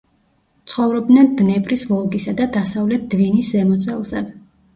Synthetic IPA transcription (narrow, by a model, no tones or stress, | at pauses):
t̪sʰχɔvɾɔb̚d̪nɛnd̪nɛpʼɾisvɔlˠɡisad̪ad̪asavlɛt̪̚d̪̥viniszɛmɔt̪sʼɛlˠzɛ̰